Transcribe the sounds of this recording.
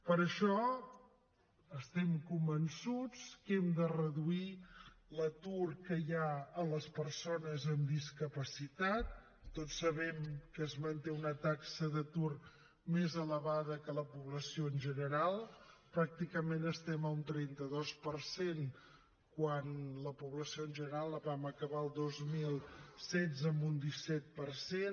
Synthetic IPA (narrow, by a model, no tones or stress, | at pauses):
pəɾəʃɔ | əst̪ɛmkumbənsut͡skɛmd̪ərəðuilət̪urkəjaələspərsonəzəmd̪iskəpəsit̪at̪̚ː | otsːəβɛmkəːzmənt̪eunət̪aksəðət̪ur | mezələβaðəkələpuβləsioənʲʒənəɾalˠpɾak̚t̪ikəmenəst̪ɛməunt̪ɾɛnt̪əðospəɾsen | kwanləpuβləsioənʒənəɾalˠəβaməkəβaəlˠd̪ozmilˠsɛzəmbund̪isɛt̪̚pərsen